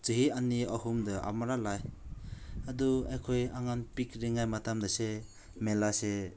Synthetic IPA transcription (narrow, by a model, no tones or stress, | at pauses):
t͡ʃɯɦianːiahumdɐʔa̰maɾalaj | aduajkʰojaŋanpikɾiŋajmatʰamdɐse | melase